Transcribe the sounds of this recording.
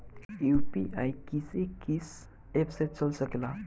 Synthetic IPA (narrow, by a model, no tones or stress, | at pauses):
ewpiʔajkisekːis | efset̪̚t͡səlsəkla